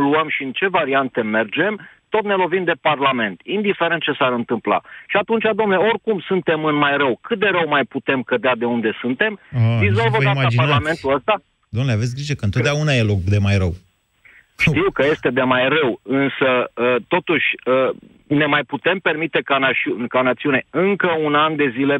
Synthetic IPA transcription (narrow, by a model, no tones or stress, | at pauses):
luəmʃiɨnt͡ʃe̞vaɾiant̪e̞me̞rd͡ʒe̞mt̪o̞t̪ne̞lo̞vimd̪e̞parlame̞nt̪ind̪ife̞ɾent̪̚t͡ʃe̞saɾɨnt̪ɨmpla̰ʃiat̪unt͡ʃʲad̪omneo̞rkumsunt̪e̞mɨnmajrəwkɨt̪̚d̪eɾəwmajput̪e̞mkəd̪ead̪e̞und̪e̞sunt̪e̞md̪izo̞lvəd̪aapaɾlame̞nt̪uəst̪a | d̪omnuleave̞t̪s̬ɡɾiʒekəɨnt̪ot̪d̪ʲaunajelokd̪e̞majɾəw | ʃiwkəje̞st̪e̞d̪e̞majrəwɨnsəət̪o̞t̪uʃʲə | ne̞majput̪e̞mpe̞rmit̪e̞kanat͡ʃukanat̪siune̞ɨŋkəunand̪e̞zile̞